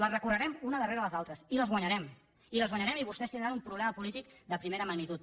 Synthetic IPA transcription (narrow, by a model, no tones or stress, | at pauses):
lərəkurəɾɛmunəðəreɾələzalˠt̪ɾəsiləzɣwaɲəɾɛm | iləzɣwaɲəɾɛmiβust̪ɛst̪ind̪ɾanumpɾuβlɛməpulit̪ik̚d̪əpɾimeɾəməɡnit̪ut̪